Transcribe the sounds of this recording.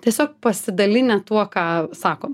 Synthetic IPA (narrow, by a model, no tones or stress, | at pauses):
t̪ʲiɛsʲoːk̚pɐsʲɪd̪ɐlʲɪnʲɛt̪uɔkɑːsɑːkoːm